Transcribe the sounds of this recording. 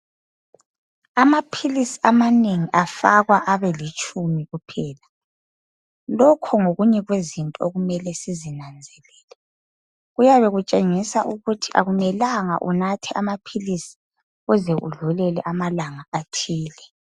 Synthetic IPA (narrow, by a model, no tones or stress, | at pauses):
amapʰilisiamaneŋiʔafaɣwaʔaβɛlit͡ʃʼumiɣupʰɛːla | lɔkʰɔŋoɣuɲɛɣwezintʼɔoɣumɛlɛsizinand͡zʱɛlɛːlɛ | ɣujaβɛɣut͡ʃʼeŋisaʔuɣutʰiʔa̰ɣumɛlaŋa̰ʔṵnatʰɛʔamapʰilisi̥ | ɣuzɛʔṵɮulɛlɛʔamalaŋaatʰiːlɛ